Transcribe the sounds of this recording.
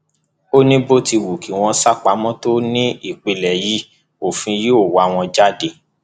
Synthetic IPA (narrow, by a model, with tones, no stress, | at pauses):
o˦nĩ˦bo˦ti˧wu˨ki˨w̃ɔ̃˧sa˦˨k͡pa˨˦mɔ̃˦to˦nĩ˦i˦˨k͡pe˨˧lɛ˨ji˦ | o˨fĩ˧ji˦o˦˨wa˨w̃ɔ̃˧d͡ʒa˦de˧